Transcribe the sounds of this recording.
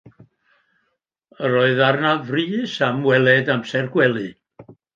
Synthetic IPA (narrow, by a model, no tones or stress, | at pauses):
əɾɔɨðarnavriːsamwɛlˠɛdamsɛrɡwɛlˠɨ